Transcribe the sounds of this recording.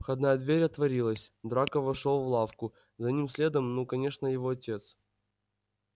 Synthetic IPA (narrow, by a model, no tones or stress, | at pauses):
xɐd̪najəd̪vʲeɾʲɐt̪vɐɾʲilˠəsʲd̪ɾakəvɐʂolˠvlˠafkʊ | zɐnʲimsʲlʲe̞d̪əmnukɐnʲe̞ʂnəjɪvoɐtʲe̞t̪s